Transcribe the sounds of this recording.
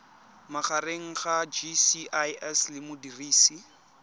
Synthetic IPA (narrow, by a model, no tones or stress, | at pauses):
maχareŋ̩χad͡ʒisiʔajɛslɪmʊdiriːsi